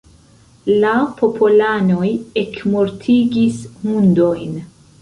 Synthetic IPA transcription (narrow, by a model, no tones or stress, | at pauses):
lapʰo̞pʰolano̞jekmoɾtʰiɡismundo̞jn